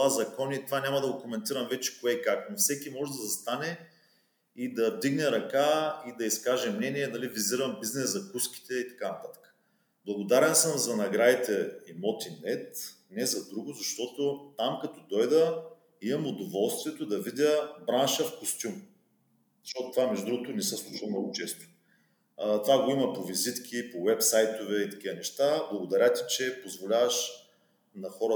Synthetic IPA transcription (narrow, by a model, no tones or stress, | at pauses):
azɐkɔnʲit̪ovanʲamɐd̪ɐɡokomɛnt̪iɾɐmvɛt͡ʃɛ̥koɛkaknofsɛkʲimɔʒɛd̪ɐzɐst̪anɛ | id̪ɐvd̪iɡnɛɾɐkaid̪ɐiskaʒɛmnɛniɛnɐliviziɾɐmbiznɛzzɐkuski̥t̪ɛit̪ɐ̥kanɐt̪at̪ə̥kə̥ | blˠɐɡod̪aɾɛnsəmzɐnɐɡɾad̪it̪ɛimɔt̪inɛt̪ | nɛzɐd̪ɾuɡʊzɐʃt̪ɔt̪ot̪amkɐt̪ɔd̪ɔjd̪ə | imɐmʊd̪ovɔlˠst̪viɛt̪od̪ɐvid̪ʲəbɾanʃəfkost̪ʲum | zɐʃt̪ɔt̪ʊt̪vamɛʒd̪ʊd̪ɾuɡʊt̪onɛsəslˠut͡ʃivɐmnɔɡʊt͡ʃɛst̪ʊ̥ | t̪vaɡoimɐpovizit̪kʲʰipowɛpsajt̪ovɛit̪ɐ̥k̟ivənɛʃt̪ablˠɐɡod̪ɐɾʲat̪i̥t͡ʃɛpozvolʲavəʃ | nɐxɔɾə